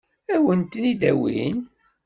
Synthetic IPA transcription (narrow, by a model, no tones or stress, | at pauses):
æwənt̪nid̪æwḭn